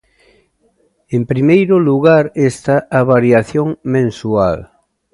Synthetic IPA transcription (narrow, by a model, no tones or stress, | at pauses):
empɾimejɾʊluɣaɾest̪aaβaɾjaθjoŋmẽnsual